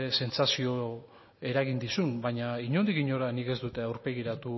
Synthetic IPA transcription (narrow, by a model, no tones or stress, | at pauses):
se̞nt͡sasio̞ | e̞ɾaɣ̞ind̪isunbaɲaiɲo̞nd̪ikiɲo̞ɾanike̞zd̪ut̪e̞awɾpe̞ɣiɾat̪u